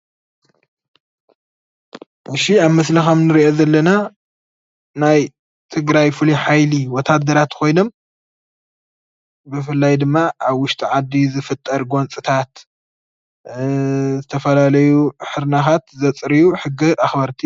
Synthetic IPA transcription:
ʔɨʃiaβmɐslɐxɐmnɨɾiʔozɐlːɐna | naj | t̪ʰɨɡɾajfɨliħajliwɔt̪ʰːad̪ːɐɾat̪kʰo̞jno̞m | bɨfɨlːajd̪ɨmːaʔaβwʊʃt̪ʼiʕad̪ːizɨfɨt̪ʼːɐɾɡo̞nt͡sʼɨt̪ʰat̪ | zɨt̪ʰɐfɐlalɐjuħɨɾnaxat̪zɐt͡sʼɾijuħɨɡːiʔaxbɐɾt̪ʰi

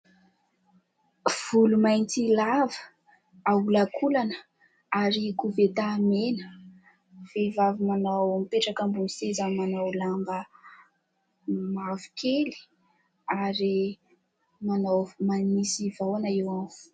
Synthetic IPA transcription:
v̥ulumajnt͡silavə | aulakʰulanə | aɾikuvet̪amenə̥ | v̥evavimanawmipeʈ͡ʂakəmbunisezamanawlambə | mavi̥kʰeli̥ | aɾi | manawmanisivawanaewanu̥

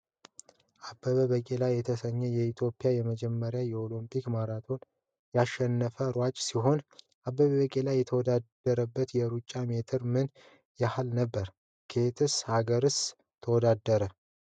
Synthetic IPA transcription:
ʔabːəβəβəkʼelajːɛt̪ʰəsəɲːɛjɛit̪ʰjo̞pʼːijajɛməd͡ʒɛmːəɾjajɛolumpʼʰikmaɾat̪ʰo̞n | jaʃːɛnːəfəɾwat͡ʃʼsiɦo̞n | ʔabːəβəβəkʼelajːɛt̪ʰəwɔd̪ad̪əɾəbːət̪jɛɾut͡ʃʼːamet̪ʰɨɾmɨn | jahalnəbːəɾ | kʰet̪ʰɨshaɡəɾɨs | t̪ʰəwɔd̪ad̪ːəɾə

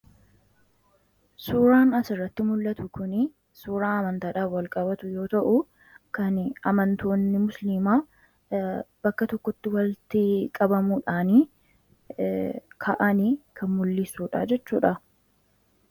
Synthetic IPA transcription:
suːɾaːnɐsɪrːɐt̪ːɪmʊlːɐt̪ʊkʊnɪ | suːɾaːɐmɐnt̪aːᶑaːfwɐlkʼɐbɐt̪ʊjo̞ːt̪ɐʔʊ | kɐnɐmɐnt̪o̞ːnːɪmʊslimaː | bɐkːɐt̪ɔkːɔt̪ːɪwɐlt̪ɪkʼɐbɐmuːᶑaːniː | kʰɐʔɐniːkʰɐnmʊlːɪsːuːᶑa̰ːd͡ʒɛt͡ʃːuːᶑɐ

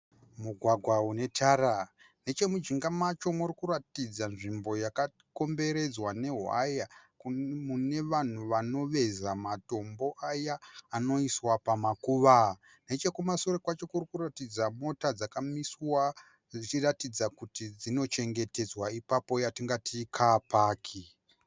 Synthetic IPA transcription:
muɡʱwaɡʱwaune̞tʰaːɾa | ne̞t͡ʃe̞mud͡ʒiŋɡamat͡ʃo̞murikuɾatid͡zanʐimbo̞jaka | ko̞mbe̞ɾe̞d͡zwane̞ɦa̰jakmune̞ʋan̤uʋano̞ʋe̞zamato̞mbo̞ʔajaːno̞iswapamakuʋa | ne̞t͡ʃe̞kumasoɾekwat͡ʃo̞kurikuratid͡zamo̞tad͡zakamiswa | ʐit͡ʃiratid͡zakutid͡zino̞t͡ʃe̞ŋɡe̞te̞d͡zwaipapo̞jatiŋɡatikʰapaːkʰi

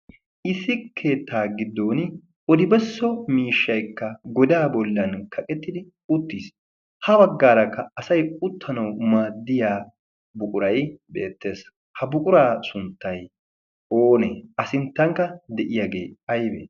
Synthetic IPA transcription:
ʔɪsɪkʰːe̞ːt̪ːaːɡɪd̪ːo̞ːn | ɔd̪ɪbɛsːɔmiːʃːɐjkːɐɡɔd̪aːbɔlːɐnkʰɐkʼɛt̪ːɪd̪ɪ | ʊt̪ːiːs | hɐbɐɡːaːɾɐkːɐːsɐjʼʊt̪ʰːɐnɐwmaːd̪ːɪjaː | bʊkʼʊɾɐjbeːt̪ːe̞ːs | hɐbʊkʼʊɾaːsʊnt̪ːɐj | oːnḛːɐsɪnt̪ːɐŋkːɐd̪ɛʔɪjaɡe̞ːɐjbḛː

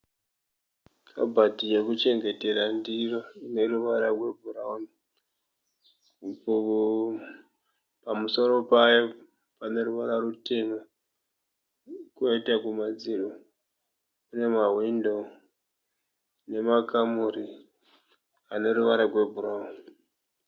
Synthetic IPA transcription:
kʰa̰bʱadijekut͡ʃe̞ŋɡe̞te̞ɾandiroine̞ruʋaɾarwe̞bʱurauni | pamuso̞ɾo̞pajo | pane̞ɾuʋaɾarute̞mo | kuoitakumad͡zilo | une̞maɦwindo̞ | ne̞makamuɾi | ane̞ɾuʋaɾarwe̞bʱuɾauni

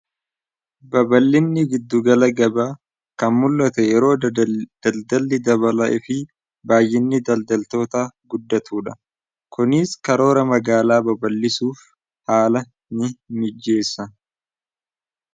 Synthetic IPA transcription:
bɐbɐlːɪnːɪɡɪd̪ːʊɡɐlɐɡɐbaː | kɐnmʊlːɐt̪ɛjɛɾo̞ːd̪̥ɐld̪ɐlːɪd̪ɐβɐlɐʔɪfɪ | baːjːɪnːɪd̪ɐld̪ɐlt̪o̞ːt̪aːɡʊd̪ːɐt̪ʰuːᶑɐ | kʊnɪskɐɾo̞ːɾɐmɐɡaːlaːbɐbɐlːɪsuːf | haːlɐ | nɪmɪd͡ʒːe̞ːsːɐ

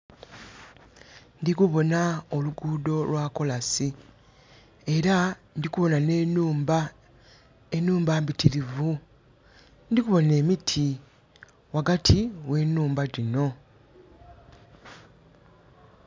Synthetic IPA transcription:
ndikuβo̞naoluɡuːdo̞lwako̞lasi | e̞ɾandikuβo̞nanenuːmba | enuːmbaːmbitiɾivu | ndikuβo̞ne̞ːmitʰi | waɡatʰiwe̞ːnːuːmbaɾino̞

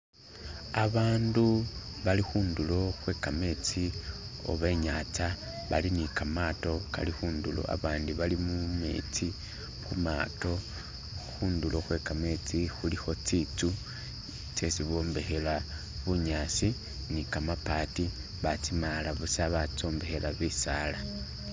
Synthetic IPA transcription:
aβaːnduβalixuːndulo̞xwe̞kame̞t͡si | o̞̰βe̞ːɲat͡sa | βalinikamato̞ka̰lixuːndulo̞̰a̰βaːndiβalimume̞̰ːt͡si | xuma̰to̞ | xuːndulo̞xwe̞kame̞t͡sixulixo̞t͡sit͡su | t͡se̞siβo̞ːmbe̞xe̞la | βuɲaːsi | nikamapati | βat͡simalaβusaβat͡so̞ːmbe̞xe̞laβisala

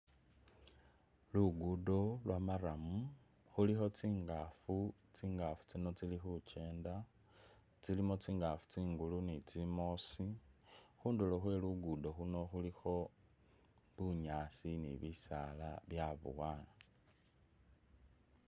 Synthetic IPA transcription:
luɡudo̞lwʔamaɾamu | xulixo̞t͡siːŋɡafu | t͡siːŋɡafu̥t͡sino̞t͡silixut͡ʃe̞ːnda | t͡silimo̞t͡siːŋɡafu̥t͡siːŋɡulunit͡simo̞si | xuːnduloxwe̞luɡudo̞xuno̞xulixo̞ | βuɲaːsinḭβisalaβjaβṵwaːna

